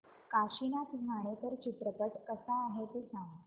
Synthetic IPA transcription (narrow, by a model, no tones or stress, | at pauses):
kaɕinat̪ɡʱaɽ̃et̪əɾt͡ɕit̪ɾəkəʈkəsaːɦet̪esãŋɡ